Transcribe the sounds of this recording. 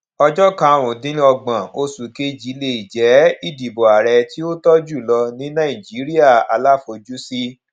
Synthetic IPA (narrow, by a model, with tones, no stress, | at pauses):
ɔ˧d͡ʒɔ˦kã˧˨˧ɾ̃ũ˨dĩ˨˦ɔ˧ɡ͡bã˨o˧su˨ke˦d͡ʒi˨˦le˧i˨d͡ʒɛ˨˦i˦˨di˨bo˨a˨ɾɛ˧ti˦o˦tɔ˦d͡ʒu˦˨lɔ˧nĩ˨˦nã˦˨ĩ˨d͡ʒi˨˦ɾi˦a˦˨a˧la˦fo˧d͡ʒu˦si˦